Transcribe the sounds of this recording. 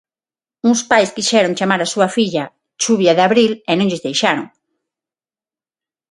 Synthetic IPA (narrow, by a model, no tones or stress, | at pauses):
uŋspajskiʃɛɾoŋt͡ʃamaɾasuɐfiʎɐ | t͡ʃuβjɐðɪaβɾilɛnõŋʎɪzðejʃaɾo̰ŋ